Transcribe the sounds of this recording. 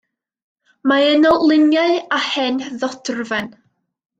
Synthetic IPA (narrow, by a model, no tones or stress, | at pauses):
maɛnɔlˠɪnjaɨahɛnðɔdrvɛn